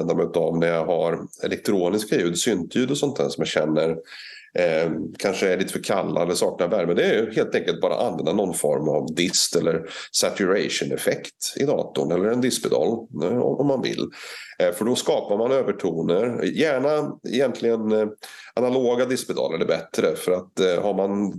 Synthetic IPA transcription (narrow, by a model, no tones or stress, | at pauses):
ɛnd̪aɾmɛʉt̪avnæɾjaɦaɾɛ̰lɛk̚t̪ʰɾoːnɪskajʉ̟ːd̪sʏnt̪ʰjʉ̟ːd̪ɔsɔnt̪ʰæ̰ːsɔmjaɕɛnːəɾ | kʰanʂəæɭiːt̪ə̥fœːɾkʰalːa̰ɛlːəʂɑːk̚navæɾmənd̪ɛæjɵheːlt̪ɛŋkəlt̪̚bɑːɾa̰ʔanvɛnd̪anɔnːfɔ̰ɾma̰vd̪ɪst̪ɛlːəɾsæt̪ʉɾaʂʊnɛfɛkt̪ɪ̰d̪ɑ̰ːt̪ʊɳɛlːəɾɛnd̪ɪspɛt̪ʰɑ̰ːlɔ̰ɔmːanvɪ̰lːfœɖɔskɑːpaɾmanøːvəʈʰuːnəɾjæːɳaɛ̰jɛnt̪ʰlɪɡənʔanaloːɡad̪ɪsbɛd̪ʰɑ̰ːlaɖɛbɛt̪ɾəfœɾat̪haɾman